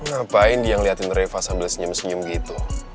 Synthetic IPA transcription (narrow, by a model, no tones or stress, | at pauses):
ŋapaɪndiaŋliɦat̪ɪnɾefasambɪlsəɲʊmsəɲʊmɡit̪u